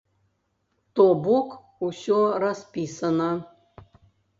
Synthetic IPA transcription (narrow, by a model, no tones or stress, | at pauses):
t̪obɔk | usʲɔraspʲisɐnɐ